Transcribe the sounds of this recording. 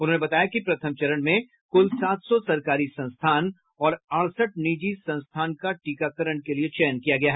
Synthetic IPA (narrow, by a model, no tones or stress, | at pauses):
ʊnɦõːnebɐt̪aːjakipɾɐt̪ʰəmt͡ʃɐɾənmẽ | kʊlsaːt̪sɔsɐɾkaːɾisɐ̃nst̪ʰaːn | ɔːɾaːɽsəʈniːd͡ʒisɐ̃nst̪ʰaːnkaʈiːkakəɾəɽ̃keliet͡ʃɛːənkijaɡɐjaɦɛ